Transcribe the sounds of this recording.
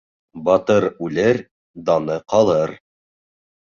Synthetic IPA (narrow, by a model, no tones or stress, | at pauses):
bɑt̪ɤɾʉlɘɾ | d̪ɑnɤqɑlˠɤɾ